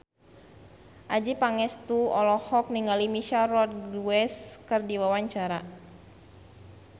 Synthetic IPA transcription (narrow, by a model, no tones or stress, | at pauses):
ʔad͡ʒipaŋɛst̪uɔlɔhɔk̚niŋalimiʃarɔt̪̚ɡuwɛskɨrdiwawaɲt͡ʃaɾa